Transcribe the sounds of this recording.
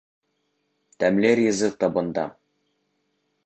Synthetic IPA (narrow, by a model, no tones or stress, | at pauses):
t̪æmleɾjɤ̆zɤt̪ɒbɤ̆nd̪ɑ̰